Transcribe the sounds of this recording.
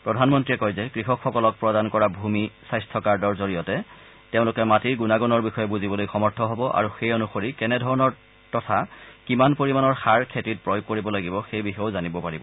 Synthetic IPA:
pɹɔdʱanmɔntɹiɛkɔjzɛkɹixɔkʰxɔkɔlɔk̚pɹɔdankɔɹabʱumisajstʰɔkaɹdɔɹzoɹijɔtɛ | teʊ̃lʊkɛmatiɹɡunaɡɔnɔɹbixɔjɛbuzibɔlojxɔmɔɹtʰɔɦɔbɔʔa̰ɹuxejonuxoɹikɛnɛdʱɔɹɔnɔɹ | tɔtʰakimanpoɹimanɔɹxaɹkʰetit̚pɹɔjʊɡ̚kːoɹibɔlaɡibɔxejbixɔjozanibɔpaɹibɔ

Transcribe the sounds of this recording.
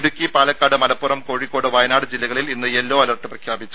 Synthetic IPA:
ɽukʲːipaːlɐkːaːɽɨmɐlɐpːurɐmko̞ːɻikːo̞ːɽɨʋɐjnaːɽɨd͡ʑilːɐɣɐɭilinːɨelːoːɐlɐrʈːɨprɐkʰjaːbit͡ɕːu

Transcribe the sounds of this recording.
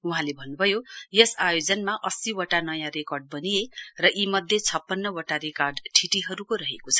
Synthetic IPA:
uɦãlebʱʌnːubʱʌjojesajod͡zʌnmaʔʌsiwʌʈanʌjãɾekʌrɖ̚bʌnijerʌʔimʌd̪ʱjet͡sʰʌpːʌnːʌwoʈaɾekarɖʈʰiʈiɦʌɾukoɾʌɦekot͡sʰʌ̥

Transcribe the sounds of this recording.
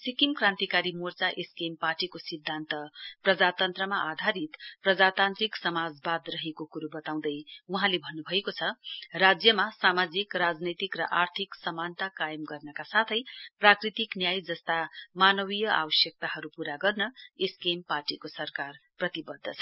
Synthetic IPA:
sikimkrãnt̪ikaɾimort͡saʔeskemparʈikosid̪ʱːant̪ʌprʌd͡zat̪ʌnt̪rʌmaʔad̪ʱaɾit̪prʌd͡zat̪ant̪ɾiksʌmad͡zbad̪rʌɦekokuɾubʌt̪aw̃d̪ʌjuɦãlebʱʌnːubʱʌekot͡sʰʌrad͡zjʌmasamad͡zikrad͡znʌjt̪ikrʌ̰ʔart̪ʰiksʌmant̪akajʌmɡʌrnʌkasat̪ʰʌjprakrit̪iknjajd͡zʌst̪amanʌbijʌʔa̰bʌsjʌk̚t̪aɦʌɾupuɾaɡʌrnʌeskemparʈikosʌrkarprʌt̪ibʌd̪ʱːʌt͡sʰʌ̥

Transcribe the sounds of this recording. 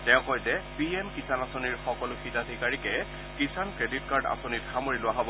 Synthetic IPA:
tɛʊ̃kɔjzɛpiemkisanasoniɹxɔkɔlʊxitad̪ʱikaɹikɛ | kisankɹeditkaɹda̰sonitxamoɹilʊaɦɔbɔ

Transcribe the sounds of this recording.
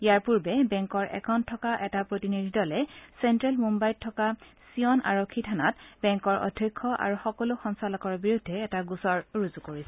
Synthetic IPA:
ijaɹpuɹbɛbɛŋkɔɹʔɛ̰kʰɔwntʰːɔkaʔɛtapɹotinidʱidɔlɛsɛntɹɛlmumbajtʰːɔka | siɔna̰ɹokʰːitʰanatbɛŋkɔɹʔɔ̰dʱːɔjkʰːɔʔa̰ɹuxɔkɔloxɔnsalɔkɔɹbiɹudʱːɛːtaɡusɔɹɹuzukoɹisɛ

